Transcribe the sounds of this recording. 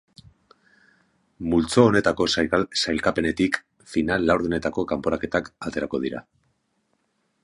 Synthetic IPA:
mult͡so̞ːne̞t̪ako̞sajsajlkape̞ne̞t̪ik | finalːawɾðune̞t̪ako̞kampo̞ɾake̞t̪akat̪e̞ɾako̞ð̞iɾa̰

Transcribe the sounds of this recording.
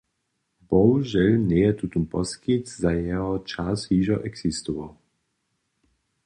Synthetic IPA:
bɔwʒɛlnɛjɛt̪ut̪umpɔskitzajɛɦɔt͡ʃashiːʒɔʔɛɡsist̪uvɔw

